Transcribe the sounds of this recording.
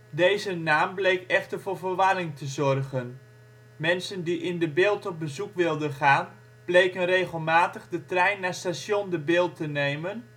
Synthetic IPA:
dejzənaːmblejkɛxtərvʊːɹvərʋarɪŋtʰəzɔrɣən | mɛnsəndiʔɪndəbɪːlˠtɔp̚bəzukʋɪlˠdənχaːn | b̥lejkənrejχəlˠmaːtəχdətrɛjnːastasjondəbɪːlˠtənejmən

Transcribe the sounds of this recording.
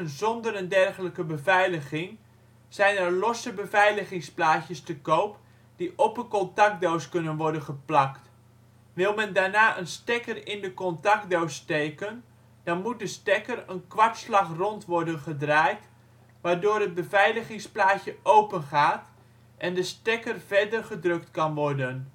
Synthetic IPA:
nzɔndəɾəndɛrχələkəbəvɛjləχɪŋ | z̥ɛjnɛrlɔsəbəvɛjləχɪŋsplaːtəstəkowp | d̥iʔɔpəkɔntɑk̚dowskɵnənʋɔɹdənχəplɑkt | ʋɪlˠmɛndaːɹnaːʔənstɛkərɪndəkɔntɑk̚dowstejkən | dɑnmut̚dəstɛkərənkʋɑɹtslɑχrɔntʋɔrdənχədraːjt | ʋaːdoːɾəd̚bəvɛjləχɪŋsplaːtjəʔowpənχaːt | ʔɛndəstɛkərvɛɹdərχədrɵk̚tkɑnʋɔrdən

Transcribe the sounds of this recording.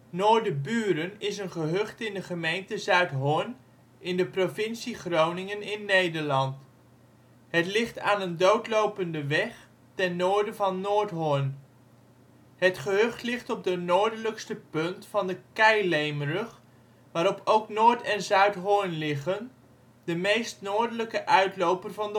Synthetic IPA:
noːɹdəbyːɾənɪsənχəɦɵχtɪndəχəmejntəzœɥtɦʊɹn | ɪndəprovɪnsiχrownɪŋənɪnːejdəɹlɑnt | ɦətlɪχtaːnəndowtlowpəndəʋɛχ | tɛnːʊːɹdəvɑnːʊːɹtɦʊɹn | ɦətχəɦɵχtlɪχtɔb̚dənoːɹdələkstəpɵntfɑndəkɛjlejmərəχ | ʋaːɾɔpʰowknʊːɹtɛnzœɥtɦʊɹnlɪχən | dəmejstnʊːɹdələkəʔœɥtlowpərvɑndə

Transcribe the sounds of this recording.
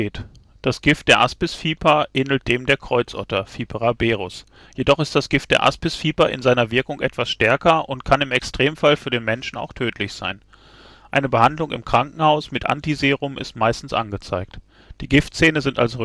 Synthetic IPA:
eːt | d̥asɡ̥ɪft̚d̥eːɐʔaspɪsfiːpʰɐʔeːnl̩t̚d̥eːmdeːɐkʁ̥ɔʏt͡sʔɔ̰tɐfiːpʰəʁabeːʁʊs | jedɔχɪstd̥asɡ̥ɪft̚d̥eːɐʔa̰spɪsfiːpɐʔɪ̰nzaɪnɐvɪɐkʊŋʔɛtv̥asʃtɛɐkɐʔʊntkʰanɪmɛkstʁ̥eːmfalfyːɐɾeːnmɛnʃn̩a̰ʊxtʰøːtʰlɪçz̥a̰ɪn | ʔaɪnəbəhandlʊŋɪ̰mkʁ̥aŋkŋ̩haʊsmɪtʔa̰ntizeːʁʊmʔɪ̰stmaɪstn̩sʔa̰nɡət͡sa̰ɪk̚t | d̥iːɡɪftt͡seːnəzɪnta̰lsʁ

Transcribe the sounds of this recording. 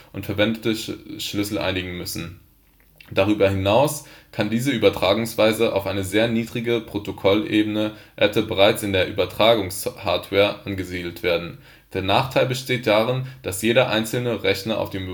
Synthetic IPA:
ʔʊntfɛɐvɛndətəʃlʏsl̩ʔa̰ɪnɪɡŋ̩mʏsn̩ | d̥aʁ̞yːbɐhɪnaʊskʰandiːzəyːbɐtʁ̥aːɡʊŋsv̥aɪzəʔa̰ʊfʔaɪnəzeːɐniːdʁɪɡəpʁ̥otokʰɔlʔeːbənəʔɛtəbəʁ̞aɪt͡sɪndeːɐʔyːbɐtʁ̥aːɡʊŋshaːɐtʰvɛːɐʔanɡəziːdl̩tv̥eːɐdn̩ | d̥eːɐnaːχtʰaɪlbəʃteːt̚d̥aʁ̞ɪnd̥asjeːɾɐʔa̰ɪnt͡sl̩nəʁɛçnɐʔa̰ʊfd̥eːm

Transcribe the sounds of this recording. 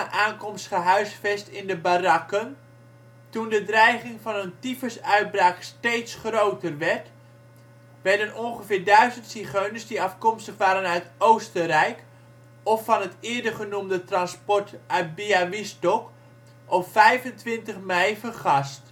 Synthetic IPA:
əʔaːnkɔmstχəɦœɥsfɛstɪndəbarɑkən | tundədrɛjχɪŋvɑnəntifəsœɥt̚braːkstejtsχrowtərʋɛɹt | ʋɛɹdənɔnχəvɪːɹdœɥzəntsiχøɥnəsdiɑfkɔmstəχʋaːɾənœɥtowstərɛjk | ɔfɑnɦətɪːɹdəχənumdətrɑnspɔɹtʔœt̚biaʋɪstɔk | ʔɔpfɛjvəntʋɪntəχmɛjfərχɑst

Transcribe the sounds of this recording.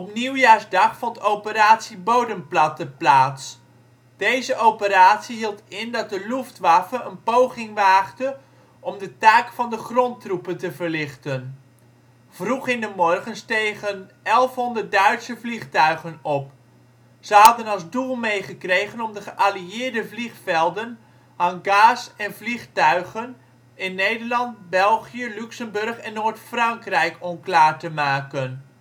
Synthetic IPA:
ɔpniwjaːɹzdɑχfɔntowpəɾaːtsibowdəmplɑtəplaːts | d̥ejzəʔowpəɾaːtsiɦilˠtɪndɑt̚dəluftʋafəənpowχɪŋʋaːχtə | ʔɔmdətaːkfɑndəχrɔntrupəntəvəɹlɪχtən | v̥ruχɪndəmɔrχənstejχənʔɛlˠfɦɔndərt̚dœɥtsəvliχtœɥχənɔp | z̥əɦɑdənɑlˠzdulˠmejχəkrejχənɔmdəχəʔaliɪːɹdəvliχfɛlˠdən | hanɡaːsɛnvliχtœɥχən | ɪnːejdəɹlɑntbɛlˠχjəlyksəmbɵrχɛnːoːɹtfrɑŋkrɛjkʰɔmklaːɹtəmaːkən

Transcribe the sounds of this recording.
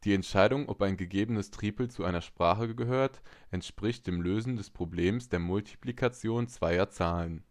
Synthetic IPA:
d̥iːɛntʃaɪdʊŋʔɔ̰paɪnɡəɡeːbənəstʁ̥iːpl̩t͡suʔaɪnɐʃpʁ̥aːχəɡəɦøːɐtʔɛntʃpʁ̥ɪçt̚d̥eːmløːzn̩dɛspʁ̥obleːmsd̥eːɐmʊltʰi̥plikʰat͡sjoːnt͡sv̥aɪɐt͡saːlən

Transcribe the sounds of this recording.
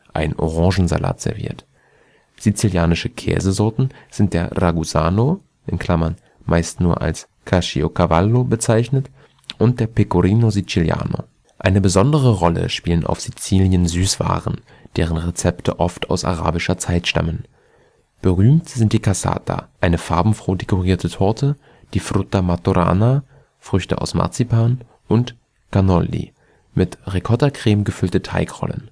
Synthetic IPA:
ʔaɪnʔoʁɑ̃ŋʒn̩za̰la̰ːtz̥ɛ̰ɐvḭːɐt | z̥it͡siljaːnɪʃəkʰɛ̰ːzəzɔɐtn̩z̥ɪnt̚d̥eːɐʁaɡuzaːno | ʔɪnkʰl̥amɐn | maɪstnuːɐʔa̰ls | kʰaʃḭokʰavalːobət͡saɪçnət | ʔʊnt̚d̥eːɐpʰekuʁiːnozit͡silja̰ːno̰ | ʔaɪnəbəzɔndəʁəʁɔlə̰ʃpiːlənʔa̰ʊfz̥it͡siːljənzyːsv̥a̰ːʁən | d̥eːʁ̞ənʁet͡sɛptʰə̰ʔɔftʰa̰ʊsa̰ʁa̰ːbɪʃɐt͡saɪtʃta̰mən | b̥əʁyːmtz̥ɪnt̚d̥iːkʰasa̰ːtʰa̰ʔaɪnəfaɐbm̩fʁ̥oːdekʰoʁiːɐtʰətʰɔɐtʰə | d̥iːfʁʊtamatoʁa̰ːna | fʁ̥ʏçtə̰ʔa̰ʊsma̰ɐt͡sipʰaːn | ʔʊnt | ɡ̥anɔlːḭ | mɪtʁekʰɔtɐkʁ̥eːmɡəfʏltətʰa̰ɪkʁ̥ɔ̰lə̰n

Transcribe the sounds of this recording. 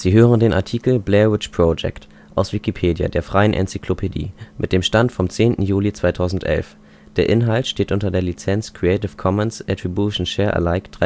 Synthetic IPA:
z̥iːɦøːʁəndeːnʔaɐtʰiːkl̩blɛʁɪt͡ʃpʁ̥od͡ʒɛ̰kt | ʔaʊsv̥ikipʰeːdja̰deːɐfʁ̥aɪənʔɛ̰nt͡si̥kʰlopʰedḭːmʔɪt̚d̥eːmʃtantfɔmt͡seːntn̩juːlit͡sv̥aɪtʰaʊzn̩tʔɛ̰lf | d̥eːɐʔɪnɦaltʃteːtʔʊntɐdeːɐlit͡sɛnt͡skʁ̥iɛɪtɪfkʰɔmənsʔɛtibuʃn̩ʃɛːɐʔə̰laɪkd̥ʁa

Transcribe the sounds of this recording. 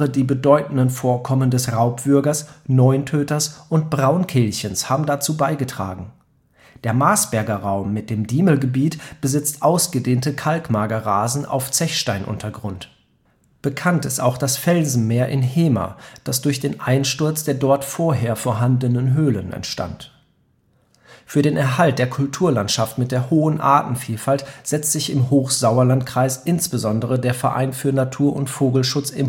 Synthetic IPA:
ədiːbədɔʏtn̩dənfoːɐkʰɔməndɛsʁaʊpv̥ʏɐɡɐsnɔʏntʰøːtɐsʔʊntb̥ʁaʊnkʰeːlçənshaːbm̩dat͡suːbaɪɡətʁ̥a̰ːɡŋ̩ | d̥eːɐmaːsb̥ɛɐɡɐʁaʊmːɪt̚d̥eːmdiːməl̩ɡəbiːtb̥əzɪt͡stʔaʊsɡ̥ədeːntəkʰalkmaːɡɐʁaːzn̩ʔa̰ʊft͡sɛçʃtaɪnʔʊ̰ntʰɐɡʁʊnt | b̥əkʰantɪsta̰ʊxd̥asfɛlzn̩meːɐʔɪnheːma̰d̥asd̥ʊɐçd̥eːnʔaɪnʃtʊɐt͡sd̥eːɐdɔɐtfoːɐɦeːɐfoːɐɦandənənɦøːlənɛ̰ntʃta̰nt | fyːɐdeːnɛɐɦalt̚d̥eːɐkʰʊltʰuːɐlantʃaftmɪt̚d̥eːɐhoːənʔa̰ɐtn̩fiːlfaltz̥ɛt͡stz̥ɪçɪmɦoːxz̥aʊɐlantkʁ̥aɪsʔɪnsb̥əzɔndəʁədeːɐfɛɐʔa̰ɪnfyːɐnatʰuːɐʔʊntfoːɡl̩ʃʊt͡sɪm

